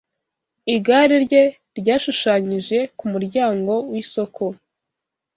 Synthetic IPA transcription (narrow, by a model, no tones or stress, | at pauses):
iɡaːɾiɾɟe̞ | ɾɟaːʃuʃaːɲiʒe̞kumuɾɟaːŋɡo̞wiso̞kʰo